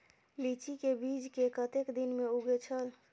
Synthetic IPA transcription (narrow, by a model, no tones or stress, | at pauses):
lit͡ʃikebid͡ʒkekət̪ekd̪inmeuɡet͡ʃʰəl